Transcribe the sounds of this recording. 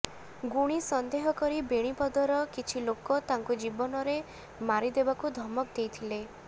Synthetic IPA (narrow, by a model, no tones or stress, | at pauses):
ɡuɽ̃isɔnd̪eɦɔkɔɾibeɽ̃ipɔd̪ɔɾɔkit͡ʃʰilokɔt̪aŋkud͡ʒibɔnɔɾe | maɾid̪ebakud̪ʱɔmɔkd̪ejt̪ʰile